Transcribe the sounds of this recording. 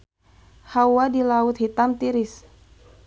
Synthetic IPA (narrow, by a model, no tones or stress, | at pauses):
hawadilaʊt̪̚hit̪amt̪iɾɪs